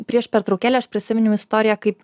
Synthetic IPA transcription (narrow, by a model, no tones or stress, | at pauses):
pʲɾʲiɛʃpʲɛɾt̪ɾɐʊkʲæːlʲɛɐʃpʲɾʲɪsʲɪmʲɪnʲɛʊɪst̪oːɾʲɪjɛkɐɪp